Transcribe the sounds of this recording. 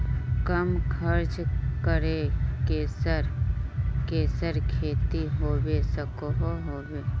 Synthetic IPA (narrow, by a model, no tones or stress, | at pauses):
kəmkʰəɾt͡ʃkəɾekeːsəɾ | keːsəɾkʰeːt̪iɦoːʋesəkoɦoɦoːweː